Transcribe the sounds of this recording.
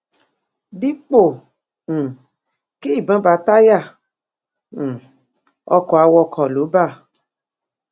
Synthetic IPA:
di˦k͡põ˦˨ | ke˦i˦˨bã˨˦ba˨˦ta˦ja˦˨ | ɔ̰˧kɔ˨a˧wɔ˧kʰɔ˨lo˨˦ba˦˨

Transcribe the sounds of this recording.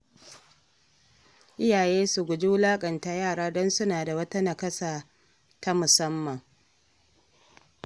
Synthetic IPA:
ʔɪ˦jaː˨jeː˦su˨ɡʷʊ˨d͡ʒi˦wʊ˦laː˦kʼɐ˨nta˨jaː˦˨ɽaː˦dɔ˦nsʊ˦naː˨da˨wɐ˦ta˦nɐ˨kɐ˦saː˨ | ta˦mʊ˨sɐ˦mːɐ˨ŋ

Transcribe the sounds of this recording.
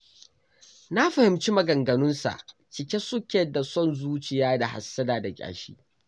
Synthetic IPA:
na˦ɸɐ˨hɪ˨mt͡ʃi˦mɐ˨ɡɐ˨ŋɡɐ˨nʊ˦nsa̰˨ʔ | t͡ʃɪ˨kʲe˦sʊ˦kʲɛ˨dːa˨sɔ˦nzuː˦t͡ʃɪ˨jaː˦da˨ha̰˨sːɐ˦daː˨da˨kʲʼa̰ː˨ʃḭː˦

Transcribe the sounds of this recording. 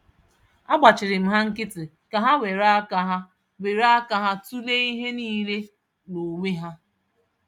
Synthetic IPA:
a˦ɡ͡ba˨t͡ʃɪ˨ɾɪ˨m̩˨ɦa˦ŋ̩˦kɪ˦tɪ˨ | ka˨ɦa˦we˨ɾa˦ka˦ɦa˦ | we˨ɾa˦a˦ka˦ɦa˦tu˦le˦i˦ɦe˦niː˦ɾe˦ | no˨me˦ɦa˦

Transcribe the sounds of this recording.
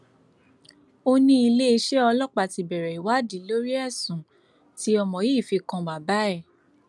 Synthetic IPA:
o˧nĩ˦i˧le˦e˧ʃe˦ɔ˧lɔ˦k͡pa˧˨ti˨bɛ˨ɾɛ˨i˨wa˨˦di˨˦lo˦ɾi˦ɛ˦˨sũ˨ | ti˦ɔ˧mɔ̃˨ji˦˨fi˧kɔ̃˧ba˨ba˨˦ɛ˦˨

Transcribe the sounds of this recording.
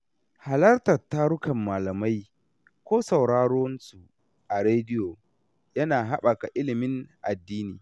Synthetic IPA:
ha˨lɐ˦rtɐ˨tːa˦ɾʊ˦kɐ˨mːaː˨lɐ˨ma˦j | kʷoː˦sɐ˨wɽaː˦ɽoː˦nsu˨ | ʔa˨ɽeː˦dɪ˦joː˨ | jɐ˦naː˨ɦa˦ɓa˨ka˨ʔɪ˦lɪ˨mɪ˦ŋʔa̰˨dːiː˦niː˨

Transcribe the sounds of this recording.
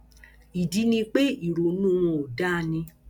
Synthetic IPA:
i˨di˦nĩ˧k͡pe˦i˨ɾo˨nũ˦˨w̃ɔ̃˧˨o˨da˦˨nĩ˧

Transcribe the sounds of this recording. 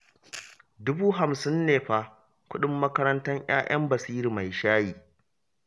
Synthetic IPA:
dʊ˦buː˦ɦa˨msɪ˦nːeː˨ɸa˦ | kʷʊ˦ɗɪ˦mːɐ˦kɐ˦ɾɐ˦ntɐ˦ɲj̰a̰ː˦j̰ʔɐ̰˦mbɐ˨siː˦ɾi˨ma˨jʃaː˦jiː˨

